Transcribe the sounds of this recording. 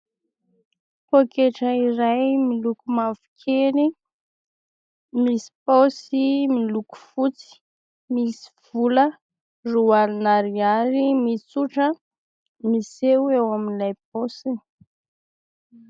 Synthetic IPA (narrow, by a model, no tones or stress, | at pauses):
pokeʈ͡ʂəiɾajmilukumafu̥kʰeɾi | misi̥posimiluku̥fut͡si̥ | misi̥v̥ulə | rualinaɾiaɾimit͡suʈ͡ʂə | misewewaminilajp̚osi